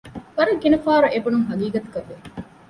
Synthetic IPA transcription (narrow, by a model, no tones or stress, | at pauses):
ʋɐɾɐɡinɐfaːɾɐʔebunuŋɦɐɡiːɡɐt̪u̥kɐʋːe